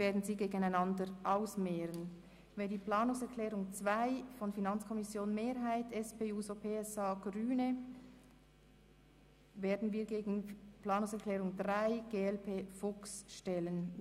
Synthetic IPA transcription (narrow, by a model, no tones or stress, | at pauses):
veːɐdn̩ziːɡeːɡənaɪnɑndəɾʔaʊsmɛːɾən | vɛndiːplaːnʊŋsɛɐkʰlɛːʁʊŋt͡sv̥aɪfɔnfinɑnt͡skʰɔmɪsjoːnmeːʁɦaɪtɛspeːuːsopʰeːɛsaːɡ̥ʁyːnə | veːɐdn̩viːɐɡeːɡn̩plaːnʊŋsɛɐʁklɛːʁʊŋdʁaɪɡ̥eːɛlpʰeːfʊksʃtɛlən